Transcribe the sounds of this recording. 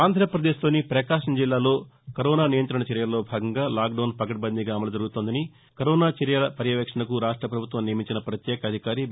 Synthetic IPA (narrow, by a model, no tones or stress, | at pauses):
aːnd̪ʱɾɐpɾɐd̪eːʃlo̞ːnipɾɐkaːʂɐmd͡ʒilːaːlo̞ːkɐɾɔːnaːnijɐnt̪ɾɐɳɐt͡ʃɐɾjɐlɐlːo̞ːbʱaːɡɐŋɡaːlaːk̚ɖɐːnpɐkɐʈ̚bɐnd̪iɡaːɐmɐlɐd͡ʒ̪ɐɾɡut̪oːnd̪ɐni | kɐɾɔːnaːt͡ʃɐɾjɐlɐpɐɾjɐʋɐkʂɐɳɐkuɾaːʂʈɾɐpɾɐbʱut̪ʋɐmnijɐmiɲt͡ʃinɐpɾɐt̪jɛːkɐɐd̪ʱikaːɾi